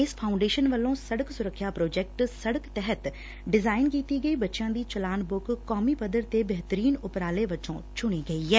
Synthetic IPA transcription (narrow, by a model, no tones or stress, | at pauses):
ɪspʰaːʊ̃ɳɖeːʃənʋəlːõːsəɽəksʊɾəkʰːjaːpɾoːd͡ʒɛk̚ʈsəɽəkt̪ɛɦət̪ | ɖɪzaːɪnkiːt̪iːɡəiːbətːʃjãːd̪iːt͡ʃəlaːnbʊkkːɔːmipəd̪əɾt̪ebəɦt̪əɾiːnʊpɾaːleʋət͡ʃõ̰ːt͡ʃʊɽ̃iːɡɐiːɦɛː